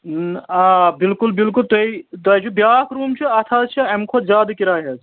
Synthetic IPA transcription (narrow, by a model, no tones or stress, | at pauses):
aːbɪlkulbilkult̪ɐit̪ɐjt͡ʃʰubjaːkʰɾuːmt͡ʃʰiɐt̪ʰaːt̪̚t͡ʃʰɐɐmkʰot̪zʲaːd̪kiɾaːɦɐz